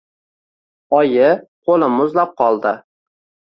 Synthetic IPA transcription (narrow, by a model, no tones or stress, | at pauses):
ɒjɪqʰolɪmʊzlap̚qʰɒlˠd̪ɪ